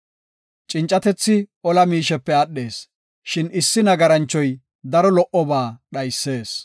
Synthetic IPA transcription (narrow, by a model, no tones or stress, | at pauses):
t͡ʃʼɪnt͡ʃʼːɐt̪ɛt͡sːɪɔlɐmiːʃɛpːɛɐɗːe̞ːs | ʃɪnɪsːɪnɐɡɐɾɐnt͡ʃːɔj | d̪ɐɾɔlɔʔɔbaːɗɐjsːe̞ːs